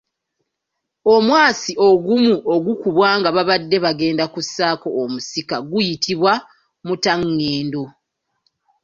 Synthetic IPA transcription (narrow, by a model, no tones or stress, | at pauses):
omwaːsiʔo̞ɡumuʔo̞ɡukuβwaːŋɡaβaβadːe̞βaɡe̞ːndakusːaːko̞ʔːmusikaɡujitʰiβwa | mutaŋːeːndo̞